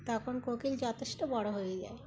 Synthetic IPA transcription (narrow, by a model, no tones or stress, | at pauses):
t̪ɔkʰonkokild͡ʑɔt̪eʃʈobɔɽoɦojed͡ʑa̰e